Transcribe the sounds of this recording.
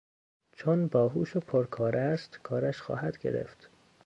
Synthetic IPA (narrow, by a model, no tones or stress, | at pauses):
t͡ʃʰonbɒːɦuːʃopʰoɾkʰɒːɾʔæst̪kʰɒːɾæʃxɒ̰ːhæd̪ɡḛɾḛft̪